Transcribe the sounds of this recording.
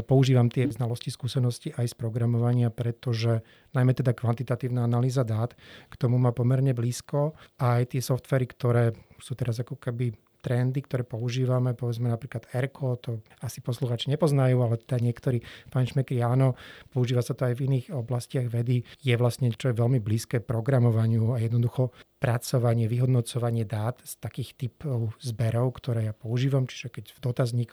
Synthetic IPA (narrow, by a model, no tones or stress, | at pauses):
pɔuʒiːʋamt̪ɪɛznalɔsciskuːsɛnɔsciʔajspɾɔɡɾamɔʋaɲɪapɾɛt̪ɔʒɛ | najmɛt̪ɛd̪akʋant̪it̪at̪iːʊnaanaliːzad̪aːt̪kt̪ɔmumaːpɔmɛɾɲɛbliːskɔajt̪ɪɛsɔft̪ʋɛːɾikt̪ɔɾɛːsuːt̪ɛɾazakɔkɛbi | t̪ɾɛnd̪ik̚t̪ɔɾɛːpɔuʒiːʋamɛpɔʋɛd͡zmɛnapɾiːklad̪ɛɾkʰɔt̪ɔ | asi̥pɔsluxaːt͡ʃiɲɛpɔznajuːalɛt̪ɛd̪aɲɪɛkt̪ɔɾiːpaɲʃmɛkɾiaːnɔpɔuʒiːʋasat̪ɔajviniːɣɔblascɪaɣʋɛd̪ijɛʋlastɲɛt͡ʃɔjɛʋɛlmibliːskɛːpɾɔɡɾamɔʋaɲɪuajɛd̪nɔd̪uxɔpɾat͡sɔʋaɲɪɛʋiɦɔd̪nɔt͡sɔʋaɲɪɛd̪aːt̪st̪akiːxt̪ipɔʊzbɛɾɔʊkt̪ɔɾɛːjapɔuʒiːʋamt͡ʃi̥ʒɛkɛɟvd̪ɔt̪azɲik